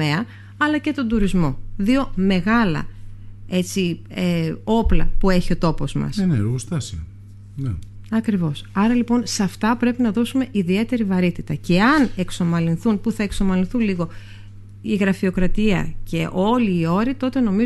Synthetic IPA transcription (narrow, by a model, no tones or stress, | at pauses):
eɐ | ɐlɐce̞t̪o̞nd̪uɾizmo̞ðio̞me̞ɣɐlɐ̰e̞t͡si | eo̞plɐ̰pue̞çio̞t̪o̞po̞zmɐ̰sneost̪ɐsio̰ | ne | ɐkɾivo̞sɐɾɐlipo̞nsɐft̪ɐpɾe̞pinɐðo̞sume̞ʔiðie̞t̪e̞ɾivɐɾit̪it̪ɐce̞ɐne̞kso̞mɐlinθunpuθɐe̞kso̞mɐlinθunliɣo̞ | iɣɾɐfio̞kɾɐt̪iɐ̰ce̞ʔo̞liːo̞ɾit̪o̞t̪e̞no̞mi